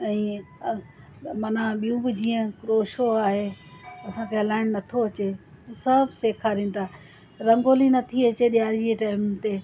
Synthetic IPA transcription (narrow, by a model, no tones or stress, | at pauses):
ɛ̃ː | mɐnaɓijũbɪd͡ʑiːə̃kɾoːʃoaːɦeːɐsãkʰeɦɐlaːɪɽ̃nɐt̪ʰoɐt͡ɕe | t̪ũːsɐbʱseːkʰaːɾĩːnt̪ʰaː | ɾɐ̃ŋɡoːlinɐt̪ʰiɐt͡ɕeɗijaːɾd͡ʑieʈaːɪmt̪eː